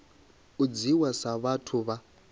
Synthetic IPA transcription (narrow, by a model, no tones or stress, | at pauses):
ud͡ziwasaβatʰuβa